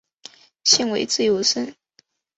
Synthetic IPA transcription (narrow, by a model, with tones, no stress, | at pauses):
ɕi˥˧ŋwe˧˥ɪt͡sɹ̩˥˩jo˧˥ʊʂə˥˩n